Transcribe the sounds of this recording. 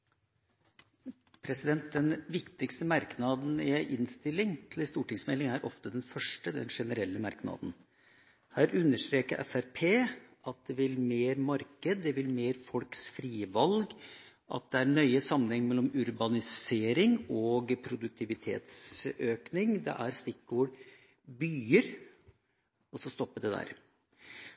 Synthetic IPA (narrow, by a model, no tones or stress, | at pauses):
pʰɾɛsɪd̪ɛnt̪̚d̪ɛnʋɪkt̪ɪkst̪əmɑɾknɑd̪n̩ɪæɪʔɪnst̪ɪlːɪŋt̪ʰɪlɪst̪uːʈɪŋsmɛlːɪŋæɾʔɔ̰ft̪əd̪ɛnfœʂʈəd̪ɛ̰nʂɛnəɾɛlːəmɑɾknɑ̰ːd̪n | hæːɾʉnːəʂʈ̪ɾeːkəɾʔɛ̰fæɾpʰeːʔɑt̪̚d̪ɛʋɪlmeːɾmɑɾkəd̪̚ːɛʋɪlmeːɾfɔlksfɾiːʋɑlɡ | ʔɑ̰t̪̚d̪ɛæɾɳœʏəsɑmːənɛŋːmɛlːɔmʉɾbɑnɪseːɾɪŋɔɡpʰɾʊd̪ʉk̚t̪ʰɪʋɪt̪ʰḛːt̪søːknɪŋd̪ɛ̰ʔæɾst̪ɪkɡoːɖ | byːəɾ | ɔsɔst̪ɔpːəɖɛd̪æ̰ːɾ